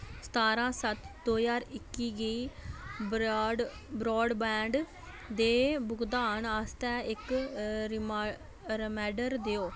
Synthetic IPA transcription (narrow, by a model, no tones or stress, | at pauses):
sə̥t̪aːɾãːsət̪d̪oːzaːɾɪkːiːɡəiː | bɾɔːɖbɛ̃ːɳɖ | d̪eːbʊkd̪aːnaːst̪ɛːɪkɾm | ɾəmɛːɖəɾd̪eːoː